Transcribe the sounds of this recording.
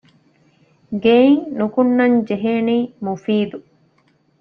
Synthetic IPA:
ɡeiŋnukunːɐɲd͡ʒeɦeːniːmufiːd̪u

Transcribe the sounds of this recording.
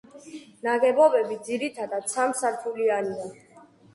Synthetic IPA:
naɡɛbɔbɛbid̪ziɾit̪ʰad̪ad̪sʰamsaɾt̪ʰuliania

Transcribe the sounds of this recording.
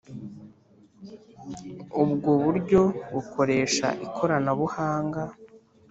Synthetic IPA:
ubɡoβuɾɟo̞βukʰo̞ɾe̞ːʃa̰ʔikʰo̞ɾanaβuhaːŋɡa

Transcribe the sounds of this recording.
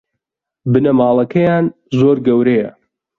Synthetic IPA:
bɨnɐmaːlˠɐkʰɐjaːn | zoːɾɡɐwɾejɐ

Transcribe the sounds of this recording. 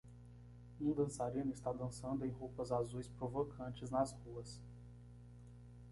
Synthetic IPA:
ũd̪ɐ̃saɾĩnʊɪst̪ad̪ɐ̃sɐ̃nd̪ʊẽj̃ɦopɐzazujspɾovokʰɐ̃nt͡ʃɪznɐshuɐs

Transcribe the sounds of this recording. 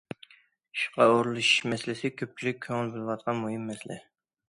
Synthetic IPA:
ʃqɑoɾɨlˠɨʃi̥ʃmɛslɪsɪkʲʰøp̚t͡ʃʰilyk̚ʲʰːøŋɪlbɪlɨwɑt̪̚qʰɑnmuɦɨmːɛslɛ̰

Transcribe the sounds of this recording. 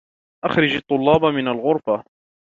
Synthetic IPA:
ʔaxɾɪd͡ʒɑt̪ˤːʊlːɑːbamɪnalɣʊɾˤfa

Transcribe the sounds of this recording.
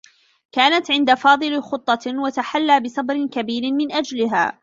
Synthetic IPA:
kaːnat̪ʕɪnd̪afɑːðˤɨlxʊt̪ˤːɑwat̪aħalːaːbɪsˤɑbɾɪnkabiːɾɪnmɪnʔad͡ʒlɪɦa̰ː

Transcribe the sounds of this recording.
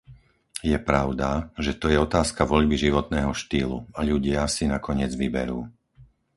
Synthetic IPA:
jɛpɾaʊd̪aʒɛt̪ɔjɛɔt̪aːskaʋɔʎbiʒiʋɔt̪nɛːɦɔʃt̪iːlṵaʎuɟɪasinakɔɲɪɛd͡zʋibɛ̰ɾuː

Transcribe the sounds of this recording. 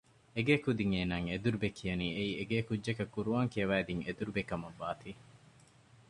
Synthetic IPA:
eɡeːkud̪iŋeːnaːŋed̪uɾubekʰijɐniːeieɡeːkud͡ʒːd͡ʒekɐkːuɾuʋaːŋkijɐʋæːd̪iŋed̪uɾubekɐmɐʋːaːt̪i

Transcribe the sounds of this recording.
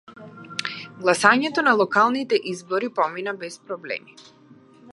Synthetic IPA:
ɡlˠasaɲɛt̪ɔnalˠɔkalˠnit̪ɛʔizbɔɾipɔminabɛspɾɔblɛ̰mi

